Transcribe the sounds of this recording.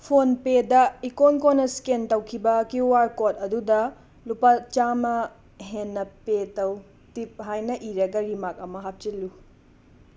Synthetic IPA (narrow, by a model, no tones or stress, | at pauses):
pʰonpedɐikonkonːɐskentɐwkʰibɐkiwaɾkot̚ɐdudɐ | lupat͡ʃamɐ | ɦenːɐpetɐw | tip̚ɦajnɐʔiɾɐɡɐɾimak̚ɐmɐɦap̚t͡ʃilːu